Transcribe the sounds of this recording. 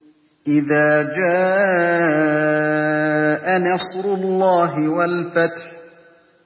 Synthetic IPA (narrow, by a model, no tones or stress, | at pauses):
ʔɪðaːd͡ʒaː | ʔanɑsɾʊlˤːɑːɦɪwalfat̪ħ